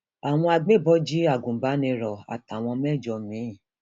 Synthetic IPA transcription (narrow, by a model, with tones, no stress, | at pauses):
a˨w̃ɔ̃˧a˧ɡ͡be˦˨bɔ˦d͡ʒi˦a˦˨ɡũ˨ba˨˦nĩ˧ɾɔ˨a̰˨ta˨w̃ɔ̃˧mɛ˦˨d͡ʒɔ˧mĩ˨˦˨